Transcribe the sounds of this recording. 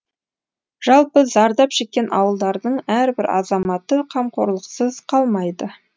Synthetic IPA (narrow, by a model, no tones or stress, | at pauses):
ʒ̥ɑlˠpəzɑɾd̪ɑpʒe̞k̚ʲːe̞nʔɑwəlˠd̪ɑɾd̪əɴæɾbɪɾɑ̰zɑmɑt̪əqʰɑmqʰo̞ɾlˠəqsəzqʰɑlˠmɑjd̪ə